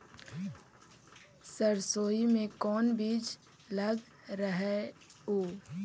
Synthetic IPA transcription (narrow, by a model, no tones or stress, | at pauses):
səɾsoːimẽkɔːnbiːd͡ʒ | ləɡ | ɾəɦɛoː